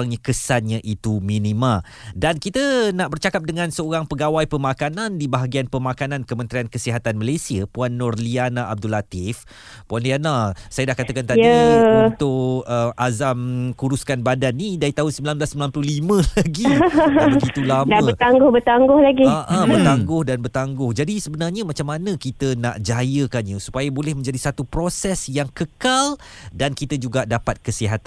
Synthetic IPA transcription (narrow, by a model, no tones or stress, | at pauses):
aŋɲakəsanɲaʔit̪umĩnĩmã | dankit̪ənaʔbərt͡ʃakap̚dəŋãnsəoɾaŋpəɡawajpəmakanãndibaɦaɡianpəmakanãnkəmə̃nt̪ɾiankəsiɦat̪anmalasiəpuanːʊrlianaʔab̚dulat̪if | puanlianasajadahkat̪akant̪ajiəut̪ʊʔəazamkuɾuskanbadanːidaɾit̪aɦʊnsəmbilanblasəmilanpəlʊhlimə̃laɡibəɡit̪ulamdaət̪aŋɡʊhbət̪aŋɡʊhlaɡiʔãbərt̪aŋɡʊhdanbərt̪aŋɡʊhd͡ʒadisəbənarɲamat͡ʃamːanə̃kit̪əna̰ʔd͡ʒajəkanɲãsu̥pajabolɛhmə̃ɲd͡ʒadisat̪upɾosɛsjaŋkəkaldankit̪əd͡ʒuɡaʔdapat̪̚kəsiɦat̪an